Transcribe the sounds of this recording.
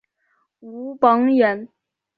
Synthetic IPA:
u˧˥pɑ˧˥ŋɥɛ˧˥n

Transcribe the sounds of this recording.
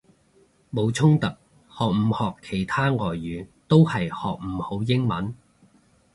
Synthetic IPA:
mo˨˧wt͡sʰʊ˥ŋt̪ɐ˨k̚ | hɔː˨k̚m̩˨˧˥hɔː˨kʰːe˨˩jt̪ʰaː˥ŋɔː˨˩jːyː˨˥t̪o˥whɐ˨jhɔ̰ː˨k̚m̩˨˩ho˨˥wjɪ˥ŋmɐ˨˥n

